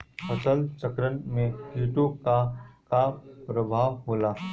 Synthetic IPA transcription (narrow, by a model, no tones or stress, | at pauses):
pʰɐsəlt͡ʃəkɾənmẽjuːʈuːb̚kakapɾəbʱaːʋɦoːlaː